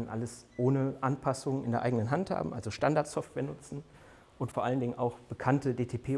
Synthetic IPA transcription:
nʔa̰ləsʔoːnəʔanpʰasʊŋəɪndeːɐʔa̰ɪɡənənɦantha̰ːbm̩ʔa̰lzoʃtandaɐtsɔftv̥ɛːɐnʊt͡sn̩ | ʔʊntfoːɐʔaləndɪŋəna̰ʊxb̥əkʰantədeːtʰeːpʰeː

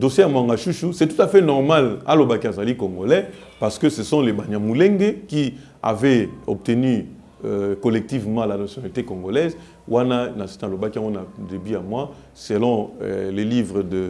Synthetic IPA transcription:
dosjejamwaŋɡaʃuʃusɛtutafɛnɔʁmala̰lobakiazalikoŋɡolɛ | paʁsə̥kəsəsɔ̃lebanamuleŋɡeki | a̰vɛɔ̰p̚teny | kolɛk̚tivmɑ̃lanasjonalitekoŋɡolɛz | wʔananasnalobakiãŋɡonadebyjamwa | selɔ̰̃lelivʁədə

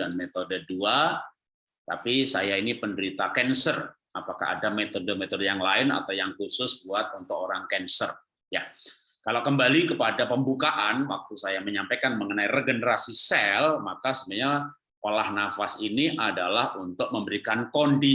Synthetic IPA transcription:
anmet̪odədua | t̪a̰pisajainipəndəɾit̪akɛnsər | apaka̰ha̰damet̪odəmet̪ɔdəjaŋlaɪna̰t̪awjaŋkusʊsbuat̪̚unt̪ʊkoɾaŋkɛnsər | ja | kalawkəmbalikəpadapəmbukaʔanwak̚t̪usajaməɲampajkanməŋənaireɡənəɾasisɛlmakasəbaɲa | olahnafasiniʔadalahunt̪ʊk̚məmbəɾikankondi

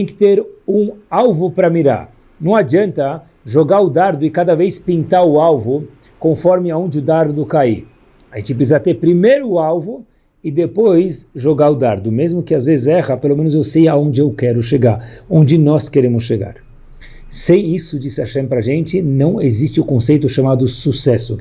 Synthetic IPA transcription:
t̪ẽj̃kɪ̥t̪eɾũawvʊpɾɐmiɾa̰ɾ | nɐ̃w̃ad͡ʒiɐ̃nt̪ɐ | ʒoɡaɾʊd̪aɾd̪ʊɪkad̪ɐvejspĩnt̪aɾʊawvʊ | kõfɔɾmɪaõnd͡ʒɪʊd̪aɾd̪ʊkai | aʒẽnt͡ʃɪpɾsizat̪eɾpɾimejɾʊːawvʊ | ɪd̪epojsʒoɡaɾʊd̪aɾd̪ʊmezmʊkɪazvezɪzɛʁɐpelomẽnʊzewsejaõnd͡ʒɪewkɛɾʊʃeɡaɾõnd͡ʒɪnɔskeɾẽmʊsʃeɡa̰ɾ | sẽj̃isʊd͡ʒisɪaʃɛ̃mpɾɐʒẽnt͡ʃɪnɐ̃w̃ezist͡ʃɪʊkõsejt̪ʊʃamad̪ʊsusɛsʊ̰

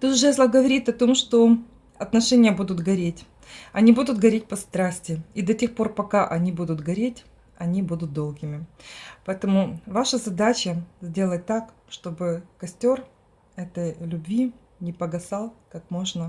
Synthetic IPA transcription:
t̪ut̪ʐɛslˠɐɡəvɐɾʲit̪ɐt̪o̞mʂt̪o̞ | ɐt̪nɐʂɛnʲɪjəbud̪ʊt̪ɡɐɾʲetʲ | ɐnʲibud̪ʊt̪ɡɐɾʲet̚ʲpɐst̪ɾasʲtʲɪid̪ɐtʲe̞xpo̞rpɐkaʔɐnʲibud̪ʊt̪ɡɐɾʲetʲ | ɐnʲibud̪ʊt̪̚d̪o̞lˠɡʲɪmʲɪpɐɛt̪əmʊvaʂəzɐd̪at͡ɕəzʲdʲe̞lˠət̚ʲt̪ːak | ʂt̪o̞bɨkɐsʲtʲo̞r | ɛt̪əjlʲʉbvʲi | nʲɪpəɡɐsɑlˠkakmo̞ʐnə

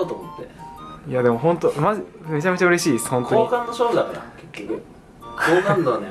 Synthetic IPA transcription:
ot̪omot̪ːejad̪e̞mo̞ɦõ̞nt̪omaʑi | me̞t͡ɕame̞t͡ɕaɯ̟ɾe̞ɕiːeshõ̞nt̪ooːikãnːoɕoːdakaɾa̰kekʲːokɯ̟ | koːkãnd̪one

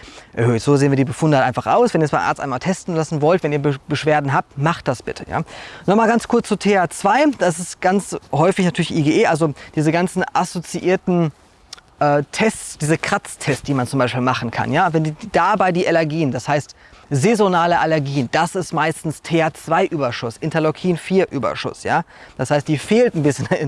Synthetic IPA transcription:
ʔɛ̰ɐhøːtz̥oːzeːnviːɐdiːbəfʊndəhatʔaɪnfaχʔa̰ʊsvɛniɐɐsfaɪʔa̰ɐt͡stʔa̰ɪmaːltʰɛstn̩lasn̩vɔltv̥ɛniːɐbəb̥əʃv̥eːɐdn̩ɦaːp̚tmaχt̚d̥asb̥ɪtʰəja̰ːnɔχmalɡant͡skʰʊɐt͡st͡sutʰeːaːt͡sv̥aɪd̥as̬ɪstɡ̥ant͡shɔʏfɪçnatʰyːɐlɪçʔiːɡeʔeːʔalzod̥iːzəɡant͡sn̩ʔasot͡siʔiːɐtn̩ | ʔɛːtʰɛsd̥iːzəkʁ̥at͡stʰɛst̚d̥iːmant͡sʊmbaɪʃpiːlmaχn̩kʰa̰njaːvɛndid̥aːbaɪdiːʔalɛɐɡiːənd̥ashaɪst | zezonaːləʔalɛɐɡiːənd̥asɪstmaɪstn̩stʰeːaːt͡sv̥aɪʔyːbɐʃʊsʔɪntɐlɔkʰiːnfiːɐʔyːbɐ̰ʃʊ̰sjaːd̥ashaɪst̚d̥iːfeːltnbɪsçən

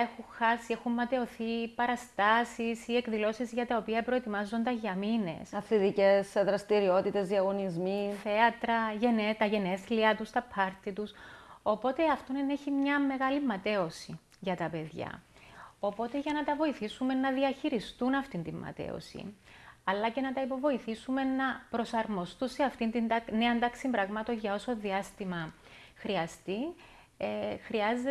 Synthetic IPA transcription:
e̞xuŋxɐsie̞xumːɐt̪e̞o̞θipɐɾɐst̪ɐsisie̞kðilo̞sizʝɐt̪ɐo̞piɐpɾo̞et̪imɐzːond̪ɐʝɐmine̞̰sɐθiðice̞sðɾɐst̪iɾio̞t̪it̪e̞zðiɐɣo̞nizmiθe̞ɐt̪ɾɐʝenet̪ɐʝe̞neθliɐt̪ust̪ɐpʰɐɾt̪it̪uso̞po̞t̪e̞ɐft̪o̞nneçimɲɐme̞ɣɐlimːɐt̪e̞o̞si | ʝɐt̪ɐpe̞ðʝɐ̰o̞po̞t̪e̞ʝɐnɐt̪ɐvo̞iθisume̞nːɐðiɐçiɾist̪unɐft̪int̪imːɐ̰t̪ḛo̰sḭɐlːɐce̞nɐt̪ɐipo̞vo̞iθisume̞nɐpɾo̞sɐɾmo̞st̪unseɐft̪int̪ind̪ɐneɐnd̪ɐksimbɾɐɣmɐt̪o̞ɲʝɐo̞so̞ðiɐst̪imɐ | xɾiɐst̪i | xɾiɐze

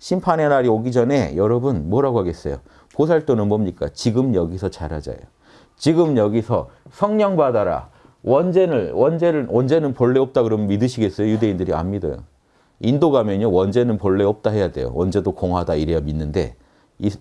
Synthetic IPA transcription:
ɕʰimpʰanenaɾioɡid͡ʑʌne̞jʌɾʌbunmwʌɾaɡohaɡe̞s͈ʌjo | pos̬ʰaɭt͈onɯnmʌmɲik͈a̰t͡ɕiɡɯmjʌɡisʰʌt͡ɕaɾad͡ʑa̰jo̰ | t͡ɕiɡɯmjʌɡisʰʌsʰʌŋɲʌŋbadaɾa̰ | wʌnd͡ʑe̞nɯɭwʌnd͡ʑe̞ɾɯɭʔʌnd͡ʑe̞nɯnpoɭːeʌp̚t͈aɡɯɾʌmnmidɯɕʰiɡe̞s͈ʌjojude̞indɯɾia̰nmida̰jo̰ | indoɡamjʌnɲjowʌnd͡ʑe̞nɯnpoɭːeʌp̚t͈aɦe̞jade̞̰jo̰wʌnd͡ʑe̞dokoŋɦwadaiɾejaminːɯnde̞̰ | i

